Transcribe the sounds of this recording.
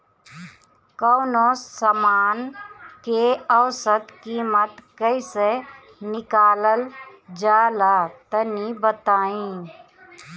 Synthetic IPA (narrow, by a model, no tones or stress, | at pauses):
kəʊnoəmaːnkeəwsət̪kiːmət̪kəise | nɪkaːləld͡ʒaːlat̪ənibət̪aːĩ